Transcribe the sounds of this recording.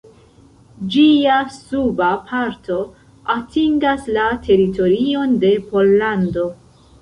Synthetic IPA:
d͡ʒiasubapʰaɾtʰo̞ | atʰiŋɡaslatʰe̞ɾito̞ɾio̞nde̞po̞lːando̞

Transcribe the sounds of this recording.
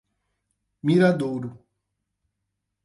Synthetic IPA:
miɾad̪owɾu

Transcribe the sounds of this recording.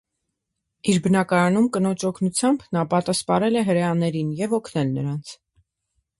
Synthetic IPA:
iɾbənɑkɑɾɑnumkənɔt͡ʃʰɔkʰnut͡sʰjɑmbnɑpɑt̪ɑspɑɾɛlɛɦəɾɛjɑnɛɾinjɛvɔkʰnɛlnə̰ɾɑnt͡sʰ

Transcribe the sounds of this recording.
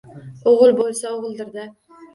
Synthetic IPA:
oʁɨlˠbolˠsaoʁɨlˠd̪ɪɾd̪ɪ

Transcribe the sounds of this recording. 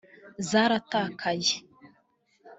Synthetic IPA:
zaɾatakʰaj

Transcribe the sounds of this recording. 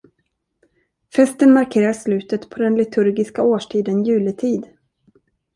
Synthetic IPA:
fɛst̪ənmaɾkʰeːɾaʂlʉ̟ːt̪ət̪pʰɔd̪ɛnlɪt̪ʰɵɾɡɪskaoːʂʈʰiːd̪ənjʉ̟ːlɪt̪ʰiːd̪

